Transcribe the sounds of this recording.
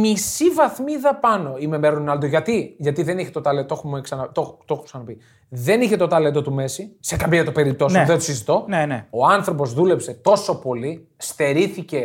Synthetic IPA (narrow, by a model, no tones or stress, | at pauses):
misivɐθmiðɐpɐno̞ime̞meɾonnɐld̪uʝɐt̪iʝɐt̪iðe̞niçet̪ot̪ɐlet̪oxumeksɐnɐt̪oxt̪oxuksɐnɐpi | ðe̞niçe̞t̪o̞t̪ɐle̞nd̪ot̪ume̞sise̞kɐmeɐt̪ope̞ɾip̚t̪osðet̪o̥sizit̪o̞neneoɐnθɾo̞p̬o̞zðule̞pse̞t̪o̞so̞po̞li | st̪e̞ɾiθice̞